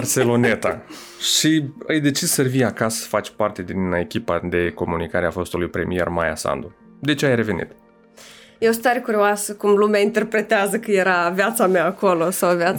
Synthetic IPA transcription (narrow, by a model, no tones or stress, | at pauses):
art̪selo̞ne̞t̪a | ʃiɨjd̪e̞t͡ʃissərvijakasə̥fat͡ʃʲpart̪e̞d̪ine̞kʲipad̪e̞ko̞munikaɾeafo̞st̪ulujpɾe̞mije̞̰rmaja̰sa̰nd̪u | d̪e̞t͡ʃeajre̞ve̞nḭt̪ | jeost̪aɾekuɾioasəkumlumaint̪e̞rpɾe̞t̪eazəkɨje̞ɾavjat̪sameaːko̞lo̞sawvja